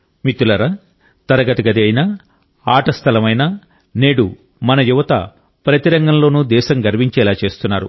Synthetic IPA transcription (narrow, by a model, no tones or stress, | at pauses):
mit̪ulɐɾɐ | t̪ɐɾɐɡɐt̪ɐɡɐd̪iɐjnɐ | aːʈɐst̪ʰɐlɐmɐjnɐ | ne̞ːɽu | mɐnɐjuʋɐt̪ɐ̰ | pɾɐt̪iɾɐŋɡɐmlo̞ːnud̪ɛːʃɐmɡɐɾʋiɲt͡ʃɛːlaːt͡ʃe̞ːst̪unːaːɾṵ